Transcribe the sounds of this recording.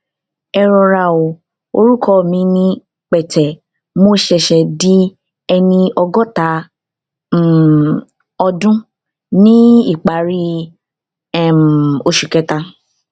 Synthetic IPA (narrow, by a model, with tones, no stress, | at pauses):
ɛ˧ɾɔ˧ɾa˧˨o˨ | o˧ɾu˦kʰɔ˦˨mĩ˨˧˦nĩ˧ | k͡pɛ˨tɛ˨ | mõ˦ʃɛ˧ʃɛ˧di˦ | ɛ˧nĩ˧ɔ˧ɡɔ˦ta˨˦˨ | ɔ˧dũ˦ | nĩ˦i˦˨k͡pa˨˦ɾi˦ | ɛ˦˨m˨o˧ʃu˨kɛ˧ta˧